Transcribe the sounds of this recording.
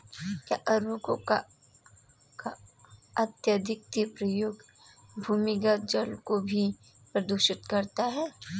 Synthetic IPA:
kja̰ʔɐɾʋokõka̰ | kaɐt̪jəd̪ʱɪk̚t̪ipɾɐjoːɡ | bʱuːmɪɡad͡ʒɐlkobʱi | pɾɐd̪uʃɪt̪kɐɾt̪aɦɛː

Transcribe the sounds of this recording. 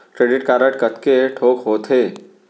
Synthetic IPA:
kɾeːɖɪʈ̚kaːɾəʈkət̪keʈʰoːkɦoːt̪ɦeː

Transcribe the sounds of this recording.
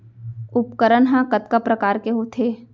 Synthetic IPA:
ʊpkəɾənɦãkɐt̪kapɾɐkaːɾkeɦot̪ʰeː

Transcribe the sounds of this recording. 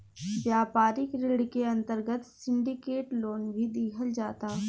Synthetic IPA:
ʋjaːpaːɾɪkɾeːɽkeɐ̃nt̪əɾɡət̪sɪ̃ɳɖikeːʈloːnbʱid̪ikʰəld͡ʒaːt̪aː

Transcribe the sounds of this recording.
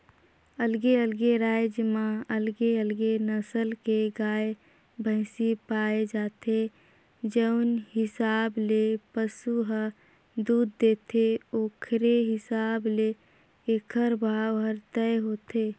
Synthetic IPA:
əlɡeəlɡeɾaːd͡ʒjəmãəlɡeəlɡenəsəlkeɡaːe | bʱə̃ɪsipaed͡ʒaːt̪ʰe | d͡ʒəʊnɦɪsaːblepəsuɦə | d̪uːd̪ːeːt̪ʰeoːkʰɾeɦɪsaːble | ekʰəɾbʱaːwɦəɾt̪ɛeɦoːt̪ʰe

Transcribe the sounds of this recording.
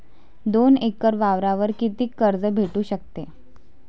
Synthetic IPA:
d̪onekːəɾʋaʋɾaʋəɾkit̪iːkːəɾd͡zəbʱeʈuːɕək̚t̪e

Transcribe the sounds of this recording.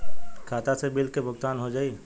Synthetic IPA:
kʰaːt̪asebɪlkebʱʊɡt̪aːnɦod͡ʒaːi

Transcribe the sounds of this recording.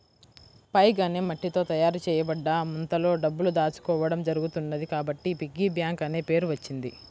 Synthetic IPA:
pɐjɡaːneːmɐʈːit̪o̞ːt̪ɐjaːɾut͡ʃɛːjɐbɐɖːaːmunt̪ɐlo̞ːɖɐbːulud̪aːt͡ʃu̥kɔːʋɐɽɐmd͡ʒɐɾuɡut̪unːɐd̪ikaːbɐʈːipiɡːiːbjaːŋkɐne̞ːpe̞ːɾuʋɐt͡ʃːind̪i

